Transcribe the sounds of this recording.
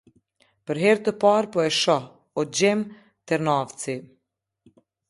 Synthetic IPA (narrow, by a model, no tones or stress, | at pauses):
pəɾɦɛɾt̪əpaɾpɔɛʃɔ | ɔd͡ʑɛm | t̪ɛɾnavt͡si